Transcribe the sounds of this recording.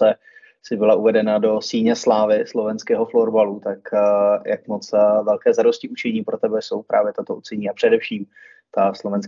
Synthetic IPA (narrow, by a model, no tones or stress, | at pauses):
ɛ | sɪbɪlaʔuvɛdɛnado̞siːɲɛslaːvɪslo̞vɛnskɛːɦo̞floɾbalut̪akjakmot͡svɛlkɛːzadoscɪʔut͡ʃɛɲiːpɾot̪ɛbɛso̞wpɾʔa̰ːvjɛt̪at̪out͡sɛɲiːapr̥ɛdɛfʃiːm | t̪aslo̞vɛns